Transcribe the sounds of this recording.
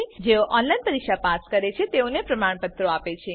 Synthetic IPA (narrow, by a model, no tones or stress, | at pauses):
id͡ʒeoʔɔnlajnpəɾikʃapaskəɾet͡ʃʰet̪eonepɾəmaɳ̃pət̪ɾoapet͡ʃʰe